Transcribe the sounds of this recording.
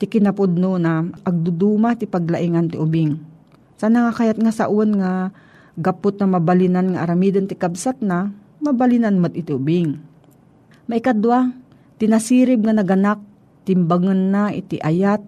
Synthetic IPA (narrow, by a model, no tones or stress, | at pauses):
t̪ɪkɪnɐpʊd̪̚nunaɐɡ̚d̪ʊd̪uːmat̪ɪpɐɡlaʔɪŋant̪ɪʔʊbɪŋ | sɐnɐŋakajat̪̚ŋasa̰ʔonŋa | ɡapʊt̪̚nɐmɐbalɪnanŋaʔaɾamiːd̪ont̪ɪkabsat̪̚na | mɐbalɪnanmat̪̚ɪt̪ɪʊbɪŋ | maʔɪkad̪wa | t̪ɪnasiːɾɪb̚ŋanɐɡɐnak̚ | t̪ɪmbaŋɐnːaʔɪ̰t̪ɪʔajat̪̚